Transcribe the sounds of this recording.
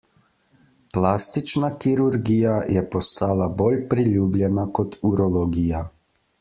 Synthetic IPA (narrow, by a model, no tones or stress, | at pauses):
plaːst̪it͡ʃnakiɾuɾɡijajɛpɔst̪aːlaboːlpɾiluːblʲjɛnakɔt̪uɾɔlɔɡiːja